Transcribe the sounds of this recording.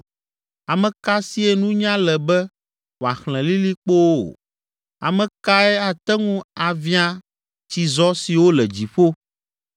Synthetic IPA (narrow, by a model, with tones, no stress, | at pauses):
a˨mɛ̃˨ka˦si˦ɛ˦nũ˦ɲã˦lɛ˨bɛ˦ | wo˨a˨xl̃ɛ̃˨li˦li˦k͡po˦wo˦o̰˨ | a̰˨mɛ̃˨ka˦ɛ˦a˨t̪ɛ˦ŋũ˦a˨vi˦a˦ | t͡ɕi˨zɔ˦si˨wo˦lɛ˨d͡ʑi˨ɸo˦